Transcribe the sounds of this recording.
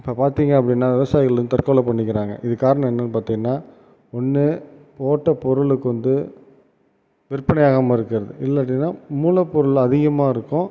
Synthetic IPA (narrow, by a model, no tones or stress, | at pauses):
ɪpːɐpaːɾt̪iːŋɡɐɐpːɐɽɪnːaːʋɪʋɐsaːjɪɣɐɭnt̪ɐɾkoːɭɐpɐɳːɪkːɪɾaːŋɡɐ̰ʔɪðɯkaːɾɐɳɐ̃mɛnːɐnpaːɾt̪iːŋɡɐnːaː | ɔnːɯpoːʈːɐpɔɾɯɭɯkːɯʋɐnd̪ɯ | ʋɪɾpːɐɳɐjaːɣɐmaːɪɾɯkːɪɾɐðɯɪlːɐʈ̬ːɪnːaːmuːlɐpːɔɾɯɭɐðɪɣɐmaːɪɾɯkːʊ̃